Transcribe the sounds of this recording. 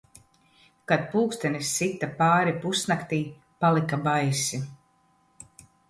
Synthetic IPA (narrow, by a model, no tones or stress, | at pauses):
kad̪̚puːkst̪ɛnisːit̪ːapaːɾipusnakt̪iː | palˠikabajsi